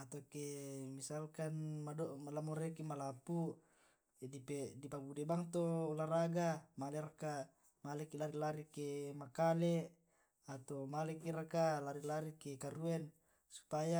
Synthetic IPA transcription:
at̪okemisalkanmadomalamoɾekimalapu | dipedipabudebaŋt̪olaɾaɡamaleraka | malɛkilaɾilaɾikemakale | at̪omalɛkiɾakalaɾilaɾikekaɾuɛn | su̥paja

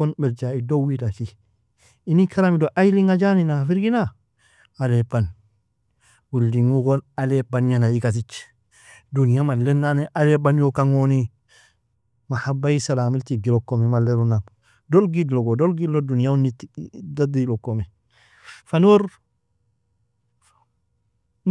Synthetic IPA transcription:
konbeɾd͡ʒaidowidat͡ʃi | inikaɾamidoʔajliŋad͡ʒaninafiɾɡina | alepan | wildiŋukonalepanɲanaikas̬it͡ʃ | dunijamalenːaneʔalebanjokaŋoni | mahabːajisalaːmiltiɡilokːomemalːeɾunam | dolɡidloɡodolɡidlodunijaunitdadilokːome | fanoɾ

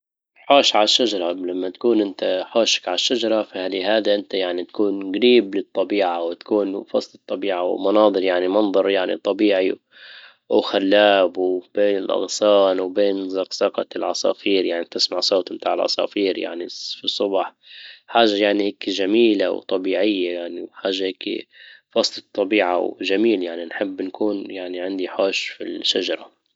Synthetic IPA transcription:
ħoːʃʕalʃːad͡ʒɑɾˤɑlamːat̪ḁkuːnʔɪnt̪aħoːʃḁkʕaʃːad͡ʒɑɾˤɑfahalihaːd̪iʔɪnt̪ajaʕnit̪ḁkuːnɡaɾiːblɨt̪ˤːɑbiːʕawɪt̪ḁkuːnfɑsˤlɨt̪ˤːɑbiːʕawmɑnɑːd̪ˤɨɾjaʕnimɑnðˤɑɾˤjaʕnḭt̪ˤɑbiːʕi | wxalːaːbb̥eːnɪlʔɑ̰ɣsɑːnwbeːnzɑqsɑqɑ̰t̪lʕɑ̰sˤɑ̰ːfiːɾjaʕnit̪ɪsmaʕsˤoːt̪mt̪aːʕɪlʕɑ̰sˤɑ̰ːfiːɾja̰ʕnifisˤːʊbħ | ħaːʒːajaʕniheːkʒamiːlawt̪ˤɑbiːʕɪjːajaʕniħaːʒːaheːkfɑsˤlɨt̪ˤːɑbiːʕa̰wʒamiːljaʕninħɪbːnkuːnjaʕniʕɪnd̪iħoːʃfḭʃad͡ʒɑɾˤɑ

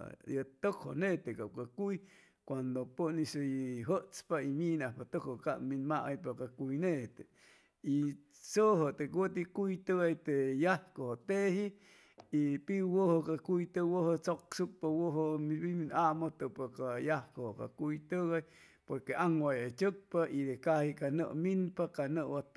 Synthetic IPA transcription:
jat̪okho̰net̪ekap̚kakuj | kʷand̪opənisoɦəʔt͡spaiminahpat̪okhokaʔminmaʔajpakakujneʔt̪e | i | soɦot̪ekwot̪ikujt̪əɣajt̪ejahkohot̪ehi | ipiwohokakujt̪əwoɦot͡soksukpawoɦomiβiminamot̪ɨpokajahkohoka̰kujt̪əɣaj | poɾkeʔaŋwajat͡ʃək̚paid̪ekahikanə̰ʔminpakanəʔwat̪

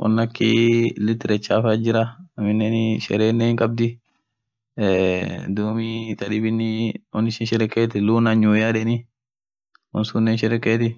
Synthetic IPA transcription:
wʔɐ̰nːɐkːḭlɪt̪ːɪɾɛt͡ʃːaːfad͡ʒɪɾɐɐmɪnːɛnʃɛ̰ɾeːnːɛhɪŋkʼɐb̚d̪ɪ | d̪uːmit̪ɐᶑɪbɪnːiwɔnːɪʃɪnʃɛɾɛkːeːt̪ɪluːnaɲːuːjaːᶑɛnɪ | wɔ̰nsunːɛnʃɛɾɛkːeːt̪ɪ

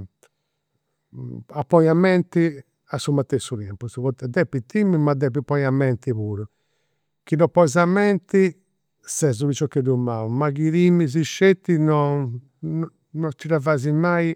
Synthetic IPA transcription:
apːɔjamːɛnt̪i | asːumat̪ːesːut̪ɛmpusβɔt̪ɛd̪ɛpːit̪ːimːimad̪ɛp̬ːipːɔjamːɛnt̪iβuːɾu | k̟inɔpɔɛzamːɛnt̪i | sɛzuβit͡ʃɔkːɛd̪umːaːumakiɾimːiz̬iʃːet̪ːinɔ | nɔt̪ːiɾavazimai

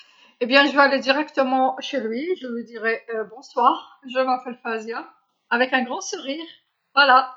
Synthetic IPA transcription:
ebjɛ̃ʒəvøaled̪iʁɛkt̪əmɑ̃ʃelɥiʒəlwid̪iʁɛøbɔ̃swaːʁʒəmafɛlfazja | avɛkɛ̃ɡʁɑ̃suʁiːʁ | vwala

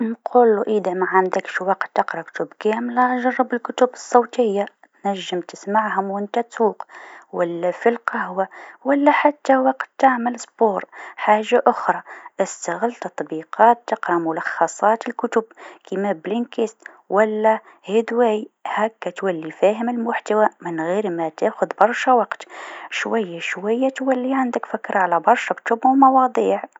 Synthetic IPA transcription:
nqʰuːlːuʔid̪amaʕand̪əkʃwɑqt̪ːɑqɾˤɑkʊ̥t̪ʊbkæːmlæʔʒɑrˤːɑbɪlkʊt̪ʊbɨsˤːowt̪ɪjːa | t̪næʒːəmt̪ɪsmaʕhʊmwɪnt̪æt̪suːqwalːæfilqahwawalːaħat̪ːawɑqt̪ːaʕməlsˤboːɾˤħaːʒːaʔʊxɾˤɑʔɪst̪aɣɪlt̪ɑt̪ˤbiːqɑːt̪ːɑqɾɑmʊlɑxːɑsˤɑːt̪ɪlkʊt̪ʊbkimæblɪnkɪst̪ | wʔalːæ | hɪd̪wæːjhækːæt̪walːifæːɦɪmɪlmʊħt̪awamɪnɣiːɾmæt̪aːxʊd̪bɑɾˤʃawɑqt̪ʃwajːaʃwajːat̪walːiʕand̪əkfakːɾʕalæbɑɾˤʃakʊ̥t̪ʊbwmɑwɑd̪ˤiːʕ

